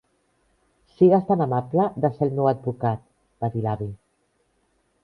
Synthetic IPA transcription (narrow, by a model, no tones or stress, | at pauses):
siɣast̪anamapləðəselnewad̪̚bukat̪̚ | b̥aðilaβi